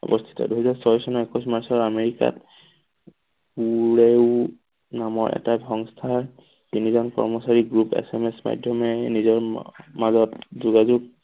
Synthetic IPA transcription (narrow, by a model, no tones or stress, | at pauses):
ɔ̰bɔst̪ʰi̥tɔ̰duɦɛzaɹsɔjsɔnɔɛkusmaɹsɔɹameɹika̰t̚ | puɹeʊ | namɔɹʔɛ̰tabɔŋstʰaɹ | inizɔnkɔ̰ɹmɔsaɹiɡɹupḛsemesma̰dʱjɔmɛnizɔɹmazɔtzuɡazuɡ̚